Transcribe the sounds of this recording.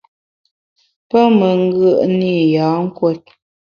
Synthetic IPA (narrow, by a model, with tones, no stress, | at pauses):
pə˦mə˨ŋ˦ɡə˦˨ʔni˦˨ja˨˦ŋ̩˦kwe˦˨t̚